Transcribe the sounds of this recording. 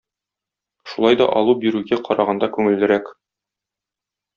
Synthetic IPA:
ʃulˠɑjd̪ɒ̰ʔɒlˠubiɾʉɡæqɒɾɑʁɑnd̪ɑkʉŋɘ̆lːɘ̆ɾæk

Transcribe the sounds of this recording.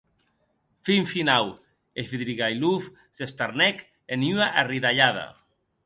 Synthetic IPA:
fiɱfinaw | eviðɾiɣajluf | sest̪aɾnɛk | enyaʔariðaʎaða̰

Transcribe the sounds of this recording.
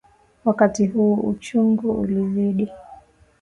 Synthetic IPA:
wakatiɦuːṵt͡ʃuŋɡuṵliziɗi

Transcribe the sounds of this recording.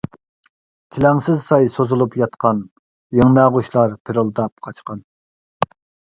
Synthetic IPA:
kʲʰilɛŋsɪzsɑjsozulˠupjɑt̪qɑn | jeŋnɑʁuʃlˠɑɾpʰeɾɨlˠd̪ɑp̚qʰɑt͡ʃqɑn

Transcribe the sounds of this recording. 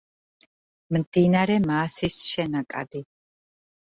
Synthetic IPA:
mmd̪inaɾɛmaːsisʃɛnakʼa̰d̪i

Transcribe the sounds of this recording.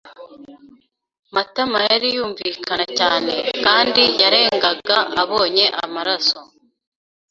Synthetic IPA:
matamajaɾijuːɱvikanacaːne̞kaːndijaɾe̞ːŋɡaɡaaβo̞ːɲe̞ʔa̰maɾaso̞

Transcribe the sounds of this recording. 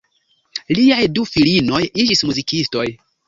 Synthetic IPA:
liajdufilino̞jid͡ʒismuzikisto̞j

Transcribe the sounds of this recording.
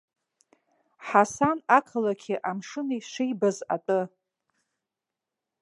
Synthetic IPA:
ħasanakʰalakʲʰiʔamʂɨnajʃʷejbaza̰tʼɨ

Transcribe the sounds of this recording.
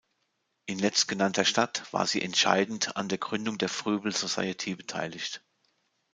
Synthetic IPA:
ʔɪnlɛt͡st̚ɡ̥ənantʰɐʃtatv̥a̰ːɐziːʔɛ̰ntʃa̰ɪdn̩tʰa̰ndeːɐɡʁʏndʊŋdeːɐfʁ̥yːbl̩zosa̰ɪətʰibətʰa̰ɪlɪçt

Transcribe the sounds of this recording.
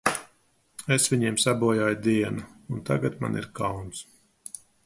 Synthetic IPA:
esvʲiɲiɛmsabuɔjaːjd̪iɛnuunt̪a̰ɡat̪ma̰nʔḭɾkawns

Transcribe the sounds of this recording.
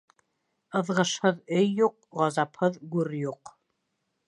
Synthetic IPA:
ɤ̆ðʁɤ̆ʃhɤðɵjːuq̚ʁɑzɑphɤðɡʉɾjuq

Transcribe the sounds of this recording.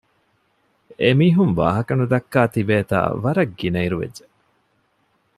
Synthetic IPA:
emiːɦunʋa̰ːɦɐkɐnud̪ɐkːaːt̪ibeːt̪a̰ːʋɐɾɐɡːinɐiɾuʋḛdd͡ʒe

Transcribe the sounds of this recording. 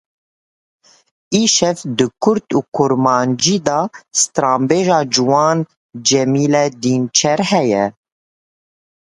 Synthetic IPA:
iːʃɛvd̪ɨkʰʊɾt̪uːkʰʊɾmɑːnd͡ʒiːd̪ɑːst̪ɾɑːmbeːʒɑːd͡ʒuwɑːn | d͡ʒɛmiːlɛd̪iːnt͡ʃʰɛɾhɛjɛ

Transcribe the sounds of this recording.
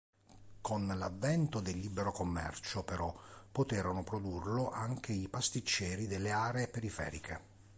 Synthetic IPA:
konlavːɛnt̪od̪elːiːbeɾokomːɛ̰rt͡ʃopeɾɔpːot̪ɛːɾonopɾod̪urloʔaŋk̟eipast̪it͡ʃːɛːɾid̪elːeaːɾeːpeɾifɛ̰ːɾikʰe

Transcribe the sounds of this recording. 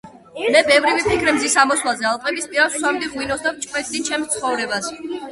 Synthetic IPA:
lɛbɛvɾivipʰikʰɾɛmzisamɔswlazɛalˠpʼɛbispʼiɾasswamd̪iʁwinɔsd̪apt͡ʃʼkʼwɛt̪ʼd̪it͡ʃʰɛmst̪sʰχɔvɾɛbas

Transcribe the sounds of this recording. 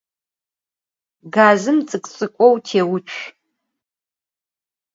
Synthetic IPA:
ɡaːzɨmt͡sʼɨkʼt͡sʼɨkʷʼɔwtʰeːwʊt͡ʃʷʰ

